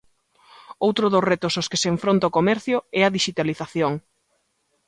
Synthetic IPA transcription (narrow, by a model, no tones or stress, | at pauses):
owt̪ɾʊðosret̪ʊsoskɪseɱfɾont̪aokomɛɾθjʊɛɐðiʃit̪aliθaθjoŋ